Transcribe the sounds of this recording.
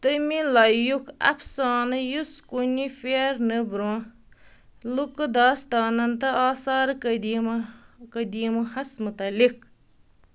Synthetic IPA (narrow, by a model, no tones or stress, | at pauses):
t̪əmilɐjukɐ̰fsaːnɨjuskunifeɾnɨbɾõ | lukɨd̪aːst̪aːnɐnt̪ɐaːsaːɾkɐd̪imkɐd̪iːmɐhɐsmut̪ɐlik̚